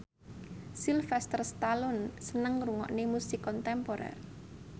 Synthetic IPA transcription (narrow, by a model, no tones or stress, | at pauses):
silfɛst̪ərst̪alɔnsənəŋruŋɔ̰ʔnemusikɔnt̪ɛmpoɾɛ̰r